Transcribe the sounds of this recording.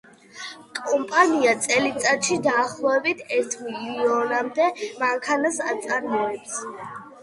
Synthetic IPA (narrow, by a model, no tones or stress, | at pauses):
kʼɔmpʼaniat̪sʼɛlit̪sʼat̪ʃid̪aːχlˠɔɛbit̪ʰɛɾt̪ʰmiliiɔnamd̪ɛmaŋkʰanasat̪sʼaɾmɛɛps